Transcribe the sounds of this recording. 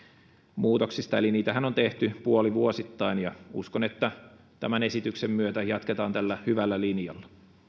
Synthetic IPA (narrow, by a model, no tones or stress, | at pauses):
muːt̪oksist̪ɑeliniːt̪æhɦæno̞nt̪eht̪ypuoliʋuosit̪ːɑinjɑṵskonet̪ːæ | t̪æmæne̞sit̪yksemːyøt̪æjɑt̪ket̪ɑːnt̪ælːæhyʋælːælinjɑ̰lːɑ